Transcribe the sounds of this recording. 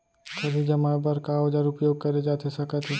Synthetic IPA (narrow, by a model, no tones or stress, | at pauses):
kɐɾid͡ʒɐmabɐɾkaɔd͡ʒaːɾʊpjoːɡ̚kɐɾed͡ʒaːt̪ʰesɐkət̪ʰe